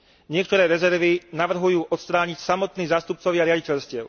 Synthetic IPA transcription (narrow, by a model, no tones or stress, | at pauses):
ɲɪɛkt̪ɔɾɛːɾɛzɛɾʋinaʋr̩ɦujuːʔɔt̪st̪ɾaːɲicsamɔt̪niːzaːst̪up̚t͡sɔʋɪaɾɪaɟicɛʎscɪɛʊ